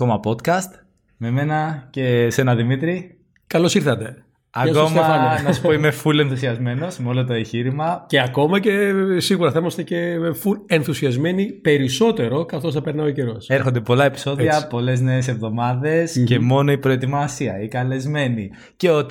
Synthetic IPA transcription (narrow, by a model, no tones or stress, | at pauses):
ko̞mɐpo̞t̪kɐst̪ | me̞me̞nɐce̞se̞nɐðimit̪ɾi | kɐlo̞siɾθɐt̪e̞ | ɐko̞mɐɐnɐsu̥poimefule̞nθusiɐzme̞no̞zmeo̞lot̪oeɲçiɾimɐce̞ɐko̞mɐce̞siɣuɾɐθɐimɐst̪ecefulenθusiɐzme̞nipe̞ɾiso̞t̪e̞ɾo̞kɐθt̪o̞sθɐpe̞ɾnɐoice̞ɾo̞se̞ɾxo̞nd̪e̞po̞lɐe̞pi̥so̞ðiɐpo̞le̞zneːs̬e̞vðo̞mɐðe̞sce̞mo̞no̞ipɾo̞e̞t̪imɐsiɐikɐle̞zme̞ni | ce̞o̞t̪